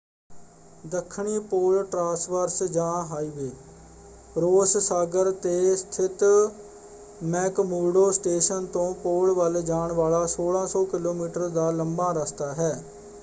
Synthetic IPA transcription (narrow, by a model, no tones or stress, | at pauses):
d̪əkʰːɳiːpoːlʈɾãːsʋəɾsd͡ʒãːɦaːiːʋeː | ɾoːssaːɡəɾt̪eːst̪ʰɪt̪ | mɛːkmuːɾɖoːsʈeːʃənt̪õːpoːlʋəld͡ʒaːɳʋaːɭaːsoːɽãːsɔːkɪloːmiːʈəɾd̪aːləmbãːɾəst̪aːɦɛː